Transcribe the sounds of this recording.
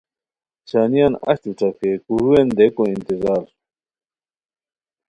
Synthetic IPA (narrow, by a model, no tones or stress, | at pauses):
t͡ɕaːnijanɐ̰ɕt̪uʈ͡ʂakekuɾuend̪ekõĩnt̪izaːɾ